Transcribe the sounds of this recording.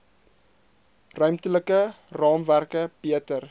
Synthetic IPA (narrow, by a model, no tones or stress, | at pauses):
rœɥmtələkə | rɑːmværkəbiətər